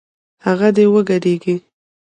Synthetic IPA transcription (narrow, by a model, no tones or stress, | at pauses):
haɣad̪ewəɡaɖeɡi